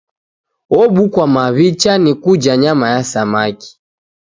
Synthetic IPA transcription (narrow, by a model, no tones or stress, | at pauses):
ɔɓukwamaβit͡ʃanikud͡ʒaɲamajasamaki̥